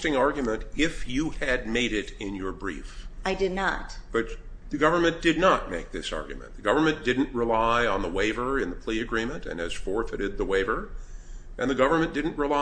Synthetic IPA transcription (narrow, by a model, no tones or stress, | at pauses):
tɪ̃ŋɑɹɡjmə̃ntɪfjɨɨd̚meɪɾɪɾɪ̃njə˞bɹḭfʔaɪdɨdⁿnətb̥ʌt̪̚ | ðɨɡʌvə˞mɨ̃nd̥ɨdⁿnət̚meɪk̚ðɪ̰sɑ̰ɹɡjɨ̰mɨ̰̃nðɨɡʌvə˞mɨ̃nd̥ɪdⁿn̩ʔɹɪlaɪə̃nðəweɪvə˞ɨ̃nðəpʰl̥iɨɡɹĩmɨ̃ntɨ̰̃nɨz̥fɔɹfɨɾɨd̪̚ðəweɪvə˞ | ʔɨ̃nðɨɡʌvə˞mɨ̃nd̥ɪdⁿn̩ʔɹɪla